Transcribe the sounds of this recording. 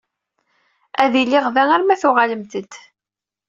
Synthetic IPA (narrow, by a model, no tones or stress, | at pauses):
æðilːɪʁvæŋæɾmæθʊʁaləmt̪əd̪